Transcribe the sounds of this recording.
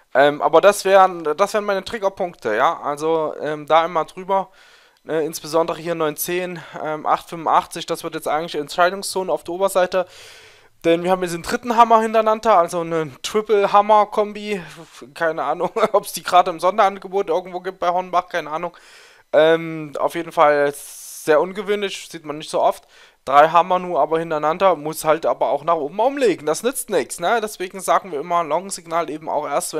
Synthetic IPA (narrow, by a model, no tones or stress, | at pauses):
ʔɛːmʔa̰ːbɐdasv̥ɛːʁənd̥asv̥eːʁənmaɪnətʁ̥ɪɡɐpʰʊŋktʰəjaːʔa̰lzoʔɛːmdaːɪmaːdʁyːbɐ | ʔɛːɪnsb̥əzɔndəʁəhiːɐnɔʏnt͡seːnʔɛːmʔa̰χtfʏmvʊnʔa̰χt͡sɪçd̥asv̥ɪɐtjɛt͡stʔaɪɡŋtlɪçɛntʃaɪdʊŋst͡soːnəaʊfd̥iːʔoːbɐzaɪtə | d̥ɛnviːɐhaːmjɛt͡s̬sndʁɪtn̩ɦamɐhɪntɐnantɐalzonətʁ̥ɪpl̩ɦamɐkʰɔmbikʰaɪnəʔaːnʊŋʔɔpsd̥iːɡʁaːdəɪmzɔndɐʔanɡəboːtʔɪɐɡŋ̩tv̥oːɡiːp̚t̚b̥aɪhɔnbaχkʰaɪnəʔaːnʊŋ | ʔɛːmʔa̰ʊfjeːdn̩falɛsz̥eːɐʔʊnɡəvøːnlɪçz̥iːtmanːɪçtz̥oːʔɔft | d̥ʁaɪɦamɐnuːɐʔaːbɐhɪntɐnandɐmʊshaltʔaːbɐa̰ʊxnaːχʔoːbm̩ʔʊm̩leːɡŋ̩d̥asnʏt͡stnɪksnədɛsv̥eːɡŋ̩zaːɡŋ̩viːɐɪmɐnlɔɡŋ̩zɪɡnaːlʔeːbm̩a̰ʊxʔeːɐstv̥ɛ